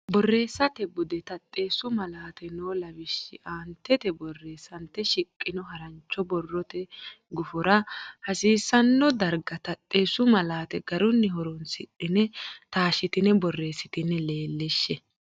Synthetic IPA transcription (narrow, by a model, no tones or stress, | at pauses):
bɔrːe̞ːsːɐt̪ɛbʊd̪ɛt̪ɐt̪ʼːeːsʊmɐlaːt̪ɛnoːlɐbɪʃːɪʔaːnt̪ːɛt̪ɛbɔrːe̞ːsɐnt̪ːɛʃɪkʼːɪnɔɦɐɾɐnt͡ʃːɔbɔrːɔt̪ɛ | ɡʊfɔɾɐhɐsiːsːɐnːɔd̪ɐɾɡɐt̪ɐt̪ʼːeːsʊmɐlaːt̪ɛɡɐɾɔnːɪɦɔɾɔnsɪɗɪnɛt̪aːʃɪt̪ɪnɛbɔrːe̞ːsɪt̪ɪnːɛleːlːɛʃːɛ